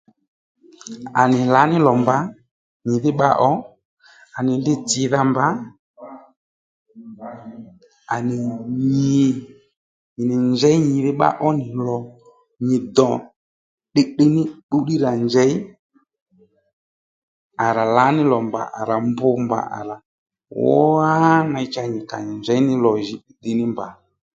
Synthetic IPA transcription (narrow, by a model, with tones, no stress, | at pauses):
a˨nɪ˨la˨˦nɪ˦lɔ˨mba˨˦ | ɲɪ˨ðɪ˦ɓa˦ʔɔ˦ | a˨nɪ˨ndɪ˦tɪ˨˦ða˦mba˦ | a˨nɪ˨ɲɪ˨ | ɲɪ˨nɪ˨nd͡ʒɛ˦ɲɪ˨ðɪ˦ɓa̰˦ʔɔ˦nɪ˨lɔ˨ | ɲɪ˨d̪ɔ˨ | ɗɪ˦˨ɗɪ˦˧nɪ˦ɓu˦ɗi˦ɾa˨nd͡ʒɛ˨˦ɪ˦ | a˨ɾa˨la˨˦nɪ˦lɔ˨mba̰˨ʔa̰˨ɾa˨mbʊ˧mba̰˨ʔa̰˨ɾa˨ | wɔ˦a˦na˧ɪ˦t͡ʃa˧˨ɲɪ˨ka̰˨ɲɪ˨nd͡ʒɛ˨˦nɪ˦lɔ˨ʒi˨˦˨dɪ˨nɪ˦mba˨